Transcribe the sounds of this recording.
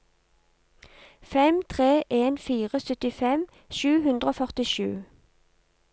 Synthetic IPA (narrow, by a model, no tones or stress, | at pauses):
fɛmt̪ʰʁeːʔeːnfiːʁəsœt̪ɪfɛm | ʃʉːhʉnd̪ʁəoːfœʁt̪ɪʃʉ̰ː